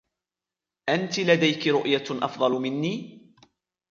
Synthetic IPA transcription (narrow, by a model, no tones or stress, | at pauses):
ʔant̪ɪlad̪ajkɪɾʊʔjaʔɑ̰fd̪ˤɑlmɪnːiː